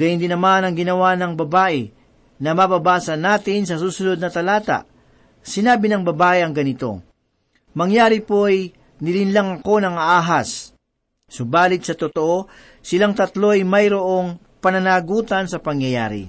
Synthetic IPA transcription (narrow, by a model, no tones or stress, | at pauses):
ɡɐjɪnd̪ɪnɐmanɐŋɡɪnɐwanɐŋbɐbaːʔɛ | nɐmɐbɐbaːsɐnaːt̪ɪnsɐsuːsʊnod̪̚nɐt̪ɐlaːt̪a̰ʔ | sɪnaːbɪnɐŋbɐbaːʔɪɐŋɡɐnɪt̪o̞̰ | mɐŋjaːɾɪpoj | nɪlɪnlɐŋɐko̞nɐŋɐʔaːɦas | sʊbaːlɪt̪sɐt̪ot̪oʔo̞ | sɪlaŋt̪ɐt̪lo̞jmɐjɾoʔo̞ŋ | pɐnɐnaːɡuːt̪ɐnsɐpɐŋjɐja̰ːɾɪ̰